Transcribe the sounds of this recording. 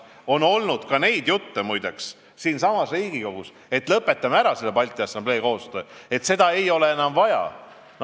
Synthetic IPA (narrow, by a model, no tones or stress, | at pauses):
o̞no̞lnud̪̥kɑne̞jd̪̥jut̪ːemujd̪eks | siːnsɑmɑsriːɡ̥iko̞ɡ̥us | e̞t̪lɤpːˑe̞t̪ːˑɑmeæɾɑse̞lːepɑlʲt̪ʲˑiɑsɑmble̞ːko̞ːst̪ø̞ːe̞t̪se̞d̪̥ɑe̞jo̞le̞enɑmvɑjɑ̰